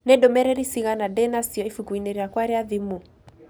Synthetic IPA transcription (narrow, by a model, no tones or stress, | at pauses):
nɛdomɛɾɛɾisiɣanadɛnasiɔifukuineɾeakwaɾeaðimu